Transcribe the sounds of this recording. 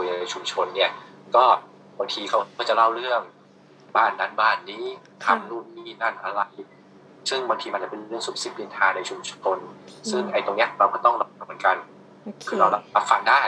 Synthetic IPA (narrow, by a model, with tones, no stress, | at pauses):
jna˧t͡ɕʰu˧mt͡ɕʰo˧nːi˥˩ɐkɔː˥˩ | ba˧ŋt̪ʰiː˧kʰa˦˥wkɔ˥˩t͡ɕa˨˩la˥˩wɾɯ˥˩əŋ | baː˥˩nːa˧˥˩nbaː˥˩nːiː˦˥ | t̪ʰa˧˩mɾuː˥˩t̪̚niː˥˩na˥˩nʔa˧ɾa˧j | sɯ˥˩ŋba˧ŋt̪ʰiː˧ma˧nt͡ɕa˨˩pe˧nɾɯ˥˩əŋsu˨˦˩p̚si˨˩p̚li˧nt̪ʰaː˧na˧jt͡ɕʰu˧mt͡ɕʰo˧nsɯ˥˩ŋʔa˧jt̪o˧ŋni˦˥ɐkɾa˧wkɔː˥˩t̪ɔ˥˩ŋɾa˧mɯ˩˦nka˧n | kʰɯː˧ɾa˧wɾa˧a˧˩p̚fa̰˨˩daː˥˩